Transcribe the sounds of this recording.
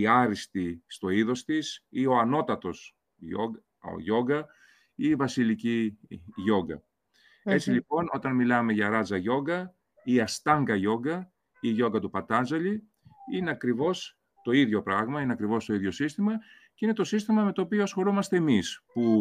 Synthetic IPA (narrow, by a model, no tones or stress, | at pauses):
iɐɾist̪ist̪o̞iðo̞st̪isio̞ɐno̞t̪ɐt̪o̞s | o̰ | ʝo̞ɡɐ | iːvɐsiliciʝo̞ɡɐ̰ | e̞t͡silipo̞no̞t̪ɐnmilɐme̞ʝɐɾɐzɐʝo̞ɡɐ | iɐst̪ɐŋɡɐʝo̞ɡɐ | iʝo̞ŋɡɐt̪upɐt̪ɐnzɐli | ine̞ɐkɾivo̞s | t̪o̞iðʝo̞pɾɐɣmɐineɐkɾivo̞st̪o̞iðʝo̞sist̪imɐ | ceine̞t̪o̞sist̪imɐme̞t̪oːpioɐsxo̞ɾomɐst̪e̞ːmispu